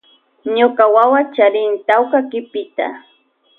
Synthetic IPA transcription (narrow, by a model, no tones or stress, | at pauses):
ɲokawawat͡ʃaɾɪnt̪awkakɪpɪt̪a̰